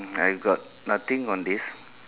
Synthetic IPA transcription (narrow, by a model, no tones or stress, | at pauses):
ajʋɡɔt̚ | nʌt̪ĩŋɔ̃nd̪is